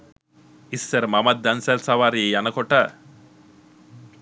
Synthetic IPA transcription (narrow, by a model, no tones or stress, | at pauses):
isːɐɾmɐmɐt̪̚d̪ɐnsɐlsɐʋaːɾiejɐnɐkoʈa